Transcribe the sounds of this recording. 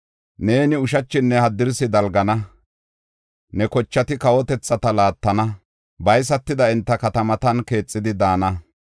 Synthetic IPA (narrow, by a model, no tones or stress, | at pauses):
ne̞ːnɪʊʃɐt͡ʃːɪnːɛhɐd̪ɪɾsɪd̪ɐlɡɐnɐ | nɛkɔt͡ʃːɐt̪ɪkɐwɔt̪ɛt͡sːɐt̪ɐlaːt̪ːɐnɐ | bɐjs̬ɐt̪ːɪd̪ɐɪnt̪ːɐkɐt̪ɐmɐt̪ɐnke̞ːt͡sʼːɪd̪ɪd̪aːnɐ